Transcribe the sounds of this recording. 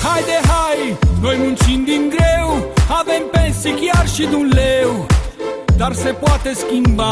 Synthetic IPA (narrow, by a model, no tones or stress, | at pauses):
hajd̪eɦajnojmũnt͡ʃĩnd̪iŋɡɾewavempẽnsikiaɾʃid̪ũnlew | d̪aɾsepwat̪eskimba